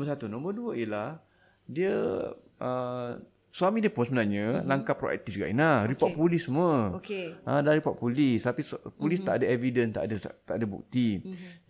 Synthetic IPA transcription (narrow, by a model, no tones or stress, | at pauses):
nɔ̃mərsat̪unɔ̃mbərduəiəlah | diə | ʔə | swamĩdiəpʊnsəbənarɲə̃laŋkapɾoʔɛ̰k̚t̪ifd͡ʒuɡaʔinaɾipɔʔpulisməokeə̃daɾipɔʔ̚pulist̪apispulist̪aʔadaɛvidənt̪a̰ʔdət̪aʔadabṵk̚t̪i